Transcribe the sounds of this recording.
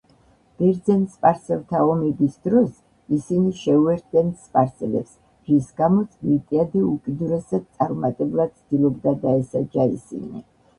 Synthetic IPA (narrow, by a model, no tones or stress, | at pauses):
b̥ɛɾd̪zɛnspʼaɾsɛlˠt̪ʰaɔmɛbisd̪ɾɔs | isiniʃɛuɛɾt̪̚ʰd̪ɛnspʼaɾsɛlɛ̰ps | ɾisɡamɔt̪sʰmit̪ʼiad̪ɛukʼid̪uɾɛsad̪̥̚t̪sʼaɾmat̪ʼɛbulˠad̪̥̚tsʰd̪̥ilˠɔbd̪ad̪aɛsad͡ʒaḭsḭnḭ